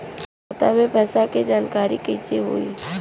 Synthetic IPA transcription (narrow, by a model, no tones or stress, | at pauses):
ot̪amẽpɐsaked͡ʒaːnkaːɾikɪseɦʊ̰ḭ